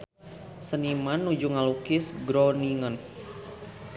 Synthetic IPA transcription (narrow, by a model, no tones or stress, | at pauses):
sənimanːud͡ʒuŋalukɪsɡɾoniŋən